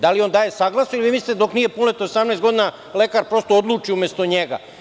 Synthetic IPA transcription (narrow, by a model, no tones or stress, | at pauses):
d̪alio̞nd̪aːje̞saɡlˠasnoiliʋiːmislit̪ed̪o̞kniːje̞punlet̪osamnest̪ɡo̞d̪ina | le̞kaɾpɾo̞st̪ood̪lˠuːt͡ʃiumʲjest̪oɲeɡa̰